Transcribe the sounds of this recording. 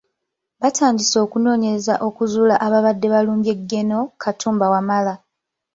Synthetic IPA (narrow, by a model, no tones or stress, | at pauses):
βatʰaːndiso̞ːkuno̞ːɲe̞ɾezaʔo̞kuzuːlaʔaβaβadːe̞βaluːmbe̞ɡːe̞no̞kʰatʰuːmbawamala